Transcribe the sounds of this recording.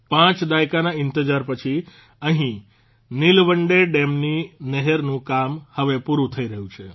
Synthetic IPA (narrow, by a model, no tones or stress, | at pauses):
pãt͡ʃd̪ajkanaɪnt̪əd͡ʒaɾpət͡ʃʰi | əɦĩ | nilʋəɳɖeɖemnineɦɛɾnũkamhəʋepuɾũt̪ʰəiɾəɦũt͡ʃʰe